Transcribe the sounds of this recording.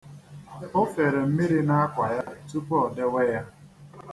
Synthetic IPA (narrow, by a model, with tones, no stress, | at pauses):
o˦fe˨ɾe˨m̩˦mi˦ɾi˦na˦a˦kʷa˨ja˦tu˦pɔ˦˨de˦we˦ja˦